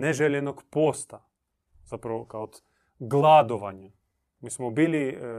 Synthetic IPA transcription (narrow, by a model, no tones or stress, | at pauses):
neʒelenoɡpost̪a | z̥apɾaʋokaod̪ | ɡlˠad̪oʋaɲa | miːsmobiːli